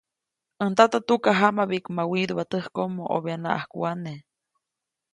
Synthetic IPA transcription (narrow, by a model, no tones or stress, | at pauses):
ənt̪at̪at̪ukaɦamaβiʔkmawiɾəβat̪əhkomoʔo̰βeana̰ʔahkuane